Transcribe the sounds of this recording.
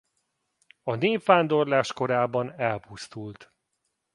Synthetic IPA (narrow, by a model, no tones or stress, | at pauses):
ɒneːpʋaːnd̪o̞rlaːʃko̞ɾaːbɒnɛlpust̪ult̪